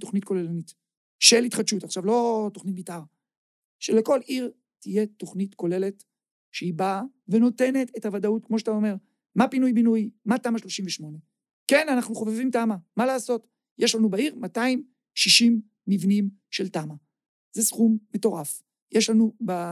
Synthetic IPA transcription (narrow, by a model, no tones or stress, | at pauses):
to̞χnit̚ko̞lelnit | ʃelitχadʃutaχʃavlo̞to̞χnit̚bitaʁ | ʃeleko̞liʁ | tije̞to̞χnitko̞le̞let | ʃeibave̞no̞te̞ne̞tethavadaut̚kmo̞ʃ̬etaome̞ʁ | mapinujbinujmatamaʃlo̞ʃimveʃmo̞ne̞ | ke̞nanaχnuχo̞vevimtamamalaːso̞t | jeʃlanubaiʁmataim | ʃiʃimː | ivnim | ʃe̞ltama | z̥esχumːe̞to̞ʁaf | jeʃlanuba